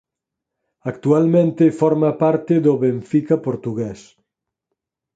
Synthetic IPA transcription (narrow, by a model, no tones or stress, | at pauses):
akt̪ualmẽnt̪efɔɾmapaɾt̪ɪðoβeɱfikapoɾt̪uɣɛs